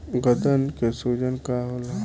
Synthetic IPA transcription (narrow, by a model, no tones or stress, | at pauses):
ɡəd̪ənkesuːd͡ʒənkaɦola